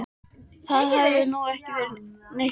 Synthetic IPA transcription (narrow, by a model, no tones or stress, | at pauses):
θaðɦavðʏnuɛhcɪvɛɾnej